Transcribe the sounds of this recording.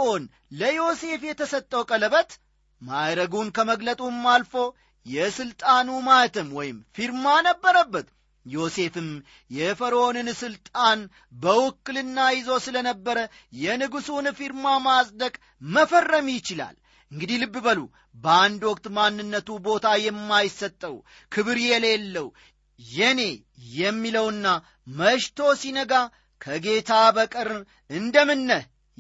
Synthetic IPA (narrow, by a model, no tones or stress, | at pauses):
on | ləjo̞se̞fjɛt̪ʰəsət̪ʼːəwkʼələβət̪ | mad̪ɾəɡunkʰəməɡlət̪ʼumːalfo̞ | jɛsɨlt̪ʼanumat̪ʰɨmwɔjɪmfiɾmanəbːəɾəbːət̪ | jo̞se̞fɨm | jɛfəɾəonɨnsɨlt̪ʼan | bəwʊkːɨlɨnːajɪzo̞sɨlənəbːəɾə | jɛnɨɡusunfiɾmamasʼd̪əkʼ | məfərːəmjɪt͡ʃɪla̰l | ʔɨŋɡɨd̪ilɨbːɨbəlṵ | bəand̪wɔk̚t̪manːɨnːət̪ubo̞t̪ʰajɛmːajɪsːət̪ʼːəw | kʰɨβɨɾjɛle̞lːəw | jɛne̞ | jɛmːiləwɨnːa | məʃt̪ʰo̞sinəɡa | kʰəɡe̞t̪ʰabəkʼɨɾ | ɨnd̪əmɨnːə